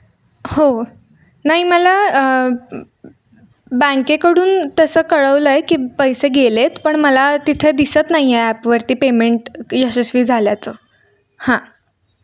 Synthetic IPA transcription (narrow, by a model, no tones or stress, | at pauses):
ho | naɦiməla | bə̃kekəɽuːnt̪əsəːkəɭəʋləekiːpəjseɡelet̪pəɳməlat̪it̪ʰed̪isət̪naɦijeæpʋəɾt̪iːpemeɳʈjəsesʋiːd͡zʱaljat͡səː | hã